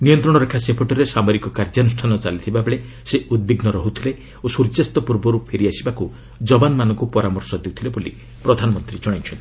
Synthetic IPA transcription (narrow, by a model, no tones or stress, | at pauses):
nijɔnt̪ɾɔɽ̃ɔɾakʰasepʰoʈɔɾesamɔɾikɔkaɾd͡ʒanusʈʰanɔt͡ʃalit̪ʰibabeɭe | seud̪̚biɡnɔɾɔɦut̪ʰile | osuɾd͡ʒast̪ɔpuɾbɔɾupʰeɾiasibaku | d͡ʒɔbanmanɔ̃ŋkupɔɾamɔɾsɔd̪ewt̪ʰileboli | pɾɔd̪ʱanɔmɔnt̪ɾid͡ʒɔɽ̃ajt͡ʃʰɔnt̪i